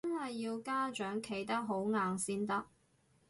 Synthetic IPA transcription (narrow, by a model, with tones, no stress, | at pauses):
ɐ˥nhɐ˨jːiː˧wkaː˥t͡ʃœː˨˥ŋkʰe˨˩jt̪ɐ˥k̚ɦo˨˥wŋaː˨ŋsiː˥nt̪ɐ˥k̚